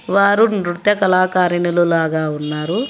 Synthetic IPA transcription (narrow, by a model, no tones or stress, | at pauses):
ʋaːɾunɾut̪jɐkɐlaːkaːɾinululaːɡaːunːaːɾu